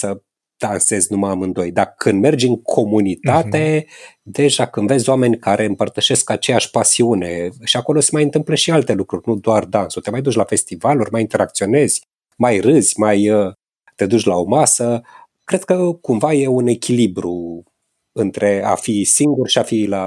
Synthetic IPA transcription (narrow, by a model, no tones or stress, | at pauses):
sə | d̪̥anse̞zʲnuməamɨnd̪o̞jd̪akʰɨnd̪me̞rd͡ʒʲɨŋkʰo̞munit̪at̪e̞ | d̪e̞ʒakɨnd̪ve̞zʲoame̞nʲkaɾʔe̞ɨmpərt̪əʃe̞skat͡ʃe̞jaʃʲpasiune̞ʃiako̞lo̞se̞majɨnt̪ɨmpleʃialt̪e̞lukɾurʲnud̪oard̪ansot̪e̞majd̪ut͡ʃlafe̞st̪ivalurʲmajint̪e̞ɾak̚t̪sio̞ne̞zʲ | majrɨzʲmajə | t̪e̞d̪ut͡ʃʲlao̞masə | kɾe̞d̪̥̚kəkumvaje̞une̞kʲilibɾu | ɨnt̪ɾe̞a̰fisiŋɡurʃiafila